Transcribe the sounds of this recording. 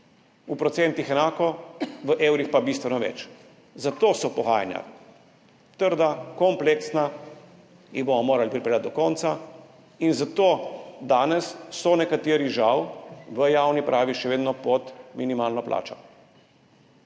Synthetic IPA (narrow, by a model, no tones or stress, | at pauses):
upɾɔtsent̪ixɛnaːkɔʋəʔeːwɾixpabist̪ʋɛnɔʋɛ̰t͡ʃ | zat̪oːsɔpɔɣaːja̰nja̰ | t̪əɾd̪akɔmpleksna | ixbomɔmoːɾalipɾipɛlʲjat̪̚d̪ɔkɔnt̪sa | inzat̪oːd̪aːnɛsːɔnɛkat̪eːɾiʒawʋəjawnipɾʔaːʋiʃɛʋeːd̪nɔpɔt̪minimaːlnɔplʔa̰ːt͡ʃɔ